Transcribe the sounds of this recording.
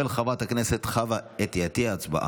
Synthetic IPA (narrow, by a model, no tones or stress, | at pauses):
elχavat̪hakneset̪χavaet̪ijat̪iaːt͡sba̰ʔa̰